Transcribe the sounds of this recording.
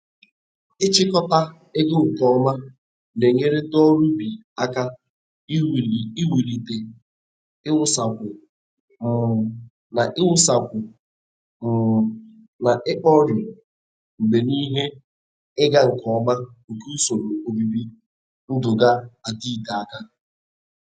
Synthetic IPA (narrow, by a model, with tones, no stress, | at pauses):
ɪ˦t͡ʃɪ˦kɔ˦ta˦ | ɪ˦ɡʊ˦ŋ̩˨kɔ˦ma˦ | ne˨ɲe˦ɾe˦dɔ˦ɾu˦bi˨ | a˦ka˦˨ | i˦wi˨ɾi˨te˨ | ɪ˦ʊ˦˨sa˨kʷʊ˨ | m̩˨ | na˨ʔɪ˦ʊ˦sa˨kʷʊ˨ | m̩˨ | na˨ʔɪ˦k͡pɔ˦ɾʊ˨ | ŋ͡m̩˨ɡ͡be˨ni˦ɦe˦ | ɪ˦ɡa˦ŋ̩˨kɔ˨˦ma˦ŋ̩˨ku˦u˦so˨ɾo˨o˦bi˦bi˦ | n̩˦dʊ˨ɡa˦a˨ti˦˨ta˨a˦ka˦